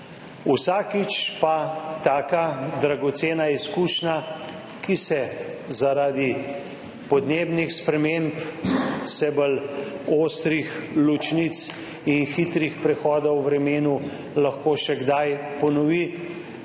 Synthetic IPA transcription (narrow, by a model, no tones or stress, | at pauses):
usaːkit͡ʃpat̪aːkad̪ɾaɡɔt̪seːnaiskuːʃna | kisɛzaɾaːd̪i | pɔd̪neːbnixspɾɛmemp | sɛbəloːst̪ɾixlut͡ʃnit̪s | inxit̪ɾixpɾɛxɔːd̪ɔwːɾɛmeːnu | laxkoːʃɛɡd̪ajpɔnɔʋi